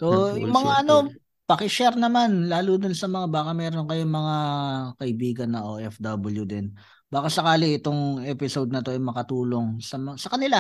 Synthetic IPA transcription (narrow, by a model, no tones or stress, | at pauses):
soːjʊŋmɐŋaʔɐno̞ | pɐkɪʃɛɾnɐmanlaːlud̪onsɐmɐŋabaːkɐmɛːɾo̞nkɐjoŋmɐŋakɐʔɪbiːɡɐnːɐʔoːʔɛfd̪ɐbɐljud̪ɪn | b̥aːkɐsɐkaːlɪʔɪt̪o̞ŋʔɛːpɪsod̪̚nɐt̪o̞ʔɐjmɐkɐt̪uːlo̞ŋsɐmɐsɐkɐnɪla